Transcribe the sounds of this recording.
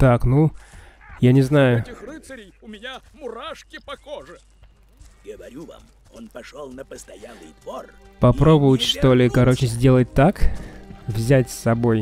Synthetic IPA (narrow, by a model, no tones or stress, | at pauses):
t̪aknu | janʲɪznajʊɪxrɨsəɾʲɪjʊmʲɪnʲa | mʊɾaʂkʲɪpɐxoʐɨ | ɡəvɐɾʲuva̰m | onpɐʂolˠnəpəst̪ɐjalˠɨjd̪vor | pɐpɾo̞bʊvʊtʲʂt̪o̞lʲɪkɐɾo̞t͡ɕɪzʲdʲe̞lˠət̚ʲt̪ak | vzʲætʲsʲɐbo̞j